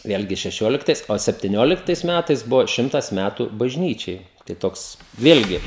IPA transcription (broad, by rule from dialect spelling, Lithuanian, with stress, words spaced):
ˈʋʲeːlʲɡʲɪ ʃʲɛˈʃʲoːlʲɪktɐɪs oː sʲɛpʲtʲɪˈnʲoːlʲɪktɐɪs ˈmʲætɐɪs ˈbʊʋoː ˈʃʲɪmtɐs ˈmʲætʊ bɐʒʲˈnʲiːt͡ʃʲɛɪ tɐɪ ˈtoːks ˈʋʲeːlʲɡʲɪ